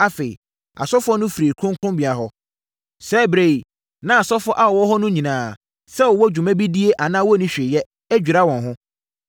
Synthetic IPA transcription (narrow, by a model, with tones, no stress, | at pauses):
a˦fe˨ḭ˨ | a̰˨sɔ˦fʊ˦ɔ˦nʊ̃˦fi˨ɾe˨kʰʊ̃˦ŋ˦kʰʊ̃˦bi˨a˨ɦɔ˦ | sɛ˦bɾe˦˨i˨ | nã˦a˨sɔ˦fʊ˦ʔa˦ɔ˨wɔ˦ɦɔ˦nʊ̃˦ɲĩ˨nãː˨ | sɛ˦wɔ˨wɔ˦d͡ʑᶣu˨mɛ̃˦bi˦di˦e˦ʔa˨nãː˦wɔ˦nĩ˦ɕᶣɪ˨jɛ˦ | æ˦d͡ʑᶣu˨ɾa˦wɔ̃˨nɦʊ̃˦